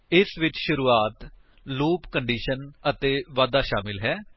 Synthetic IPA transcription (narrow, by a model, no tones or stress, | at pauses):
ɪsʋɪt͡ʃʃʊɾuːaːt̪ | loːpkəɳɖiːʃənət̪eːʋaːd̪aːʃaːmɪlɦɛː